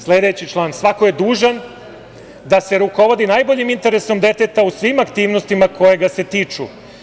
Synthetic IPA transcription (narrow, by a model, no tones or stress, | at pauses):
slˠed̪e̞t͡ɕit͡ʃlˠaːnsʋako̞je̞d̪uːʒan | d̪ase̞ɾuko̞ʋo̞d̪inaːjbo̞ʎimint̪e̞ɾeso̞md̪e̞t̪e̞t̪ausʋimakt̪iːʋnost̪imakʰo̞je̞ɡase̞t̪iːt͡ʂṵ